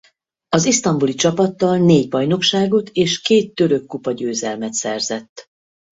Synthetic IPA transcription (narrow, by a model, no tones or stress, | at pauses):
ɒzist̪ɒmbulit͡ʃɒpɒt̪ːɒlneːɟbɒjno̞kʃaːɡo̞t̪ʰeːʃkeːt̪ːø̞ɾø̞kːupɒɟøːzɛlmɛt̪sɛrzɛt̪ː